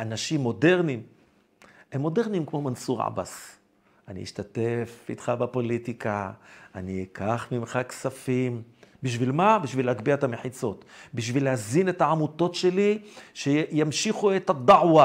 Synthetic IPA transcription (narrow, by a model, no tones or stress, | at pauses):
ʔanaʃimːo̞de̞ʁnim | hemːo̞de̞ʁnimkmo̞mansuʁʕa̰ba̰s | ʔanḭḭʃt̪atefḭt̪χabepo̞litikaanikʰaχmimχaksafimbiʃ̬vilmabiʃvileakbiaet̪ameħit͡so̞t̪biʃ̬vilehazinethaʕamut̪o̞tʃe̞liʃejamʃiχuet̪ad̪aʕwa